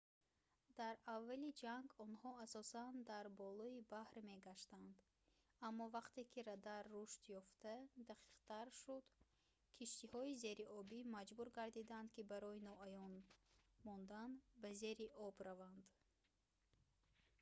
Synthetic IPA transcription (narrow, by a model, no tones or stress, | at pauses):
d̪̥aɾavːalid͡ʒaŋɡɔnhɔasɔsand̪aɾbɔlɔibahɾme̞ɡaʃt̪and̪ | amːɔvaqt̪e̞kʰiɾad̪aɾːuʃt̪jɔft̪ad̪aqʰi̥qt̪ʰaɾʃud̪ | kʰiʃt̪ihɔize̞ɾiʔɔbimad͡ʒbuɾɡaɾd̪id̪and̪kibaɾɔinɔajɔnmɔnd̪anbaze̞ɾiʔɔbɾavand̪